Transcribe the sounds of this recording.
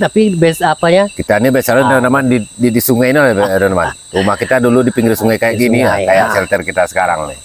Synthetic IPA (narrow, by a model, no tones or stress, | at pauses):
t̪apibɛsapaɲakit̪anibɛsalundonamandididisuŋajniabɛdonama̰n | umahkit̪aduludipiŋɡɪɾsuŋajkajaʔɡinila̰kajaʔsɛlt̪ɛrkit̪asə̥kaɾa̰ŋ